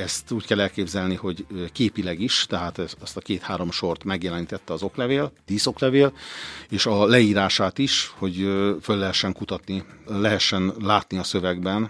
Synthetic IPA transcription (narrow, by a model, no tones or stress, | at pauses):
ɛst̪uːckɛlɛlkeːbzɛlniho̞ɟkeːpilɛɡiʃt̪ɛɦaːt̪ɛɛst̪ɒkeːt̪haːɾo̞mʃo̞rt̪mɛɡjɛlɛniːt̪ɛt̪ːɛɒzo̞klɛveːld̪̥iːso̞klɛveːleːʃɒlɛiːɾaːʃaːt̪iʃho̞ɟfølːɛɦɛʃːɛŋkut̪ɒt̪nilɛɦɛʃːɛnlaːt̪niɒsø̞vɛɡbɛn